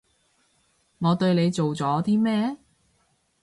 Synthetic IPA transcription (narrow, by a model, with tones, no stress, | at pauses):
ŋɔː˨˧t̪ɵ˧ɥne˨˧jt͡so˨wt͡sɔː˨˥t̪ʰiː˥mːɛː˥˩